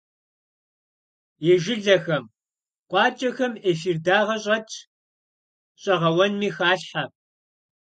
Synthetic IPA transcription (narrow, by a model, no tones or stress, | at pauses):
eʒɪɮɐxɐm | qʷʼɑːt͡ʃʼɐxɐmeːf̬iːrdaːʁɐɕ̬ʼɐt͡ʃʰ | ɕʼɐʁɐwɐnmiːxaːɬħa